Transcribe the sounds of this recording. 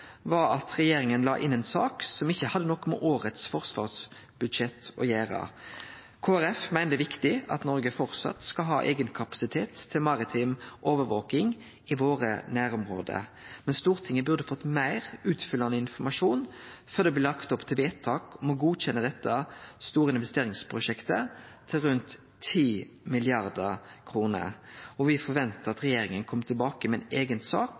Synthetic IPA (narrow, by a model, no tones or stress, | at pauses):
ʋɑɾɑt̪ʁɛjeːɾɪŋənlɑ̰ːʔɪnːɛnsɑːksɔmɪçːəhɑd̪ːənɔkːmɛ̰ʔoːɾət̪sfɔʁsʋɑ̰ːʁs | b̥ʉd̪ʃɛt̪ʰɔ̰jæːɾɑ̰ | kʰoːæɾɛfmæɪnd̪əʋɪkt̪ɪɑ̰t̪nɔʁɡəfɔʁt̪sɑ̰t̪skɑlɦɑ̰ːʔeːɡənkʰɑpɑ̥sɪt̪ʰeːt̪ʰːɪlmɑʁɪt̪ʰɪmʔoːʋəɾʋoːkɪŋ | ɪʋoːʁə̰næːɾʊmʁo̰ːd̪ə̰mɛnst̪uːʁt̪ʰɪŋːəbʉʁd̪əfɔt̪ːmæɪɾʉːt̪fʏlːɑnəɪnfɔmɑʂuːnfœʁd̪ɛblɪlɑkt̪ɔpt̪ʰɪlʋeːt̪ʰɑːkɔmɔɡuːc͡çɛnːəd̪ɛt̪ːəst̪uːɾəɪnʋɛst̪eːɾɪŋspʰɾʊʂɛkt̪ət̪ʰɪlɾʉnt̪ʰː | iː | mɪlɪɑʁd̪əkʰɾuːnə̰ɔʋɪfɔɾʋɛnt̪əʁɑt̪ʁɛjeːɾɪŋənkʰɔmːət̪ʰɪlbɑːkəmɛɛneːɡənsɑːk